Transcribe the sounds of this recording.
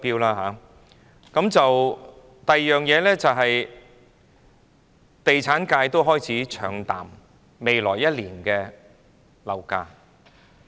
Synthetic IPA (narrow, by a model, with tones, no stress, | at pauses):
piː˥wlaː˧ɦaː˨˥ | kɐ˨˧˥mt͡sɐ˨w | t̪ɐ˨jjœː˨ŋjɛː˨˧lɛː˥t͡sɐ˨wɦɐ˨j | t̪e˨jt͡sʰaː˨˥nkaː˧jt̪o˥wɦɔː˥jt͡sʰiː˨˥t͡ʃʰœ̰ː˨˧˥ŋt̪a̰ː˨˩mː | e˨˧jlɔː˨˩jːɐ˥t̚liː˨˩nkɛː˧ | lɐ˨˩wka̰ː˧